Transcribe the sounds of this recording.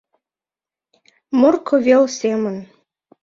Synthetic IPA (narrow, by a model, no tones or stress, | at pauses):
morkʰɤ̆βelsemən